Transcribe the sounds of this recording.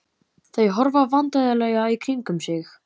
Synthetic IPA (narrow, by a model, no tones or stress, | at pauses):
θejɦɔɾvavant̪ajðalɛjɣaikʰɾiŋkʏmsɪx